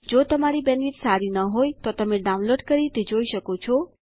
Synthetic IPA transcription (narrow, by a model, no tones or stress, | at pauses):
d͡ʒot̪əmaɾibɛnʋit̪saɾinəɦojt̪ot̪əmeɖaunloɖkəɾit̪ed͡ʒoiʃəkot͡ʃʰɔ